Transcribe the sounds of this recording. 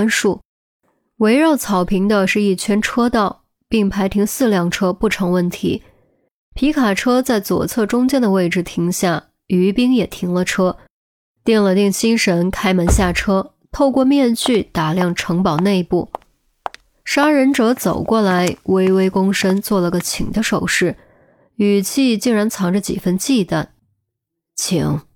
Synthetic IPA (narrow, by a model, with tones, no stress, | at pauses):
nʂu˥˩ | we˧˥ɪɻɑ˥˩ʊt͡sʰɑ˨˩ʊpʰi˧˥ŋd̪ə˧ʂɻ̩˥˧i˥˩t͡ɕʰɥɛ˥nʈ͡ʂʰɤ˥t̪ɑ˥˩ʊ | pi˥˩ŋpʰa˧˥ɪt̪ʰi˧˥ŋsɹ̩˥˧ljɑ˥˩ŋʈ͡ʂʰɤ˥pu˥˩ʈ͡ʂʰɤ˧˥ŋwə˥˩nt̪ʰḭ˧˥ | pʰi˧˥kʰa˨˩ʈ͡ʂʰɤ˥t͡sa˥˩ɪt͡swɔ̰˨˩t͡sʰɤ˥˩ʈ͡ʂʊ˥ŋt͡ɕjɛ˥nd̪ə˨we˥˩ɪʈ͡ʂɻ̩˥˩t̪ʰi˧˥ŋɕja˥˩ | y˧˥pi˥ŋjɛ˨˩t̪ʰi˧˥ŋlə˧ʈ͡ʂʰɤ˥ | t̪jɛ˥˩nlə˩t̪i˥˩ŋɕi˥nʂə˧˥nkʰa˥ɪmə˧˥nɕja˥˩ʈ͡ʂʰɤ˥ | t̪ʰo˥˧ʊkwɔ˥˧mjɛ˥˧nt͡ɕy˥˩t̪a˨˩ljɑ˥˩ŋʈ͡ʂʰɤ˧˥ŋpɑ˨˩ʊne˥˧ɪpu˥˩ | ʂa˥ɻə˧˥nʈ͡ʂɤ˧˥t͡so˨˩ʊkwɔ˥˩la˧˥ɪwe˥ɪwe˥ɪkʊ˥ŋʂə˥nt͡swɔ˥˩lə˩ɡə˩t͡ɕʰi˨˩ŋd̪ə˦ʂo˨˩ʊʂɻ̩˥˩ | y˨˩t͡ɕʰi˥˧t͡ɕi˥˩ŋɻa˧˥nt͡sʰɑ˧˥ŋʈ͡ʂə˧t͡ɕḭ˨˩fə˥nt͡ɕi˥˧t̪a˥˩n | t͡ɕʰi˧˥ŋ